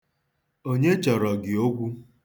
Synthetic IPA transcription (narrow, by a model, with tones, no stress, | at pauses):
o˦ɲe˦t͡ʃɔ˨ɾɔ˨ɡɪ˨o˦ɡʷu˦